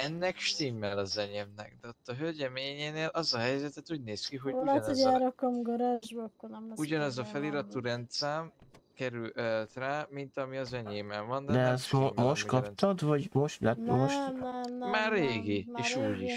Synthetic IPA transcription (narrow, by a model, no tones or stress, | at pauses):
ɛnːɛkʃt̪iːmːɛlɒzɛɲemnɛ̰k̚d̪ɛot̪ːɒɦøɟɛmeːɲeːneːlʔɒzɒɦɛjzɛt̪ɛt̪uːɟneːskiɦolɛoaːɾokɒmɡoɾaʒbkːonɛmuɟɒnɛzɒfɛliɾɒt̪ːuɾɛnt̪saːmkɛɾylʔɛlt̪raːmint̪ɒmiɒzɛɲeːmɛlvɒnd̪d̪ɛɛsmomo̞ʃt̪kɒpt̪ɒd̪vɒɟmo̞ʃt̪lɛt̪moʃt̪maːrːeːɡieːʃuːɟiʃ